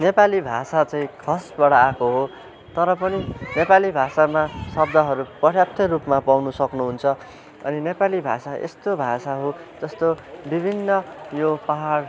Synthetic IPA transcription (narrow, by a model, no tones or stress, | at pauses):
nepalibʱa̰sat͡sʌ̃ĩkʰʌsbʌɽaːkoɦo | t̪ʌɾʌpʌninepalibʱasamasʌbd̪ʱʌɦʌɾupʌɾjap̚t̪ʰʌrupmapawnusʌknuɦunt͡sʰʌ | ʌ̰ninepalibʱa̰saʔḛst̪obʱasaɦo | d͡zʌst̪obibʱinːʌjopaɦar